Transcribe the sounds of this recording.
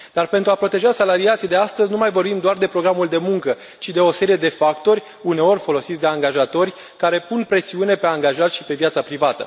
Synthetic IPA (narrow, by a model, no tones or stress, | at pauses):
d̪̥arpe̞nt̪ɾuapɾo̞t̪e̞ʒasalaɾiat̪sijd̪e̞ast̪əzʲnumajvo̞rbimd̪oard̪e̞pɾo̞ɡɾamuld̪e̞muŋkə | t͡ʃid̪e̞o̞se̞ɾije̞d̪e̞fakt̪o̞rʲ | une̞o̞rʲfo̞lo̞sit̪sʲd̪eaŋɡaʒat̪o̞rʲ | kaɾe̞punpɾe̞siune̞pe̞aŋɡaʒat̪ʃipe̞vjat̪sapɾivat̪ə̰